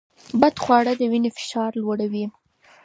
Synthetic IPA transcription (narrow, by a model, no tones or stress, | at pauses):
bad̪xwɑɽəd̪əwinefɪ̥ʃɑɾlwaɽawi